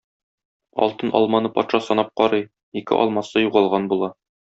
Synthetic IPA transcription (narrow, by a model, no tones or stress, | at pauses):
ɒ̰lˠt̪ɤnʔɒ̰lˠmɑnɤpɒt̪ʃɑsɒnɑp̚qɒɾɤj | ikɘ̰ʔɒ̰lˠmɑsɤjuʁɑlˠʁɑnbulˠɑ